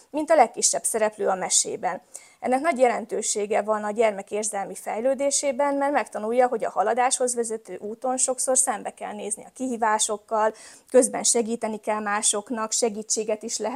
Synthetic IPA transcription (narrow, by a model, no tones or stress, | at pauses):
mint̪ɒlɛkːiʃːɛbsɛɾɛpløːɒmɛʃḛːbɛn | ɛ̰nːɛknɒɟjɛlɛnt̪øːʃeːɡɛvɒnɒɟɛrmɛkeːrzɛlmifɛjløːd̪eːʃeːbɛnmɛrmɛkt̪ɒnujːɒɦo̞ɟɒ̰hɒlɒd̪aːʃho̞zʋɛzɛt̪øːʔuːt̪o̞nʃo̞kso̞rsɛmbɛkɛ̰lneːzniɒkiɦiːvaːʃo̞kːɒlkø̞zbɛ̰nʃɛɡiːt̪ɛnikɛlmaːʃo̞knɒkʃɛɡiːt͡ʃːeːɡɛt̪iʃlɛɦɛ